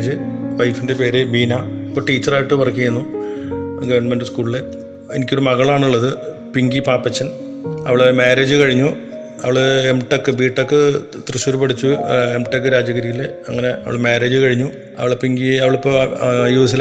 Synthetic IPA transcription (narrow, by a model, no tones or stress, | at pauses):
d͡ʑɨʋɐjfindepe̞ːɾebiːnaipːoːʈiːt͡ɕːɐraːjiʈːɨpɐrɐkːiɐenːu | ɡɐʋɐrɳɐmendɨskuːɭile | ḛnikʲːoɾumɐɣɐɭaːɳuɭːɐðɨ | piŋɡipaːpːɐt͡ɕːɐn | ɐ̰ʋiɭemeːɾe̞ːd͡ʑɨkɐɻiɲːu | ɐʋiɭɨemʈekːɨbiːʈːokːɨ | t̪rɨɕuɾupɐʈit͡ɕːuemʈekːɨɾaːd͡ʑɐɣɐɾijileɐŋːɐne̞ʔɐ̰ʋḭɭmeːɾe̞ːd͡ʑɨkɐɻiɲːu | ɐ̰ʋiɭpiŋɡiɐʋiɭipːoːjuːsil